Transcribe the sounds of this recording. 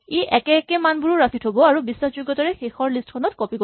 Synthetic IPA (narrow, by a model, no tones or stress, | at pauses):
iʔɛkɛkɛmanbuɹuɹapʰitʰobɔaɹubiswasd͡ʒuɡːɔtɔɹɛxexɔɹlistkʰɔnɔtkɔpiko